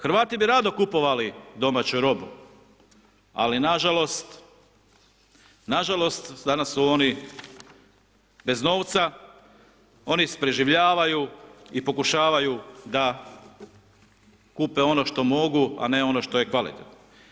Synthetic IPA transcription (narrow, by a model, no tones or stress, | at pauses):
xɾʋaːt̪ibiɾad̪o̞kupo̞ʋalid̪o̞maːt͡ɕuɾo̞bu | a̰linaʒalo̞st̪ | naʒalo̞st̪d̪anasːuo̞ni | be̞zno̞ːʋt̪sa | o̞nise̥pɾe̞ʒiʋʎaːʋajuipo̞kuʃaːʋajud̪a | kupeo̞no̞ʃt̪o̞mo̞ɡua̰ne̞o̞noʃt̪o̞jekʋalḭt̪et̪no